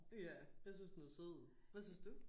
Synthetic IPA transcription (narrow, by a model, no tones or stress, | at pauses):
jæjɑsynsd̥nɔseð̰ˠʋæsynsd̥u